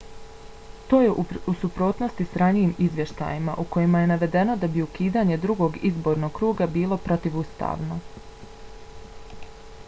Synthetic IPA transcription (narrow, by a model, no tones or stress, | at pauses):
t̪o̞ːjeʔusupɾo̞ːt̪no̞st̪isɾanijimizʋje̞ʃt̪a̰jima̰ʔuko̞jimaje̞naʋe̞d̪e̞no̞d̪abiukiːd̪aːɲe̞d̪ɾuɡo̞ɡizbo̞ɾno̞ɡkɾuːɡabiːlˠo̞pɾo̞t̪iʋust̪a̰ːʋno̞